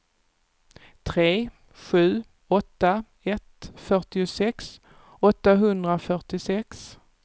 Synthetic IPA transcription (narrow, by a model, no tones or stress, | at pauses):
t̪ʰɾeː | ɧʉ̟ː | ɔt̪ːa | ɛt̪fœʈɪʊsɛks | ɔt̪ːaɦɵnd̪ɾafœʈɪsɛks